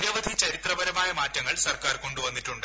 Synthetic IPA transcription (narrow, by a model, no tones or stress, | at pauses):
jɐʋɐd̪ʱit͡ɕɐɾit̪rɐʋɐɾɐmaːjɐmaːtːɐŋːɐɭsɐrkaːrko̞ɳɖuʋɐnːitːuɳɖɨ